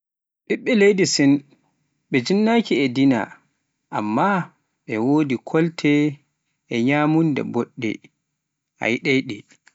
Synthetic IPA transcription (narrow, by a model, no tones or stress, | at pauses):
ɗiɓːɛlejdisɛn | ɓɛd͡ʒinːakiɛdina̰ | ʔamːa | ɓɛwoːdikʰɔltʰɛː | ɲaːmundɛ̰bɔɗːɛ̰ | a̰jɗejɗɛ